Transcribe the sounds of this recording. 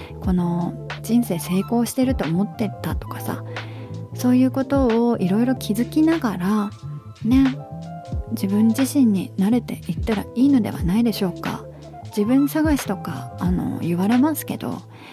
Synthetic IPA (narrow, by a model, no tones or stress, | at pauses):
ko̞no̞ | d͡ʑĩɰ̃se̞ːse̞ːko̞ːɕi̥t̪e̞ɾɯ̟t̪o̞ːmo̞t̪ːe̞t̪ːat̪o̞̥kḁsa̰ | so̞ːjɯ̟ːko̞t̪o̞ːiɾo̞iɾo̞kʲʰizɨkʲinaɡaɾa | ne̞ | d͡ʑibɯ̟̃ɲd͡ʑiɕĩɲ̟ːinaɾe̞t̪e̞̰ʔit̪ːaɾa̰iːno̞d̪e̞̰βa̰naid̪e̞ɕo̞ːka̰ | d͡ʑibɯ̟̃ñːosaɡaɕi̥t̪o̞ka̰ːno̞̰jɯ̟βaɾe̞masɨ̥ke̞d̪o̞̰